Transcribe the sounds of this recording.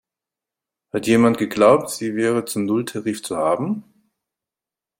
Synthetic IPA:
hatjeːmantɡ̥əɡlaʊp̚tz̥iːvɛːʁət͡sʊmnʊltʰaʁiːft͡suhaːbm̩

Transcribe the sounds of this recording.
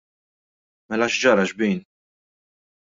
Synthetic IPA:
mɛlɐʃd͡ʒɐɾɐʃbiːn

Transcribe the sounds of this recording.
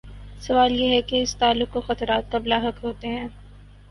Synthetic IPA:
sɐʋaːljeɦɛkeɪst̪aːlːʊqkoxɐt̪ɾaːt̪̚kablaːɦɐkɦoːt̪eɦɛ̃ː

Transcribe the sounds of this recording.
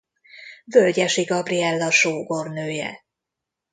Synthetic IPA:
vølɟɛʃiɡɒbriɛlːɒʃoːɡo̞rnøːjɛ̰

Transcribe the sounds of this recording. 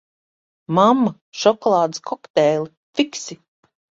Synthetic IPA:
mamːa | ʃɔkɔlˠaːd̪iskʰɔkt̪ɛːlʲi | fiksi

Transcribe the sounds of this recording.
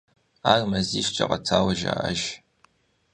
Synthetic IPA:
aːrmɐziːʃt͡ʃʼɐqɐt͡sʰaːwɐʒa̰ʔɐʒ

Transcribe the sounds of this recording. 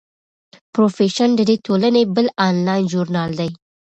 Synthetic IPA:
pɾofeʃənd̪əd̪et̪ʰolanebəlɑnlɑjnʒuɾnɑld̪aj

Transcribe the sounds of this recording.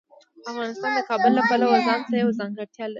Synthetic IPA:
afɣɑnɪst̪ɑnd̪əkɑbʊlːapəlawazɑnsajawzɑŋɡaɾt̪jɑlai

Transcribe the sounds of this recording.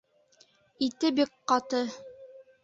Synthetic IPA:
it̪ɘbikqɑt̪ɤ

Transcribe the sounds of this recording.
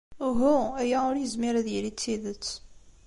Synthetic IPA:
ɦuæjæʊɾjəzmɪɾæðjəɾit͡sːiðət͡sː

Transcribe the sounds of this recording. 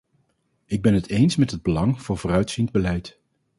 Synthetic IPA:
ɪɡ̚bɛnɦətejnsmɛtɦəd̚bəlɑŋv̥ʊːɹvʊːrœɥtsinbəlɛjt

